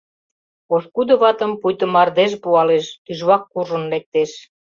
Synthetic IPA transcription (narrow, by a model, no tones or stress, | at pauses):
oʃkud̪ə̆βɑt̪ə̆mpujt̪ə̆mɑrd̪eʃpuɑleʃt̪yʒβɑkːuʒə̆nlek̚t̪eʃ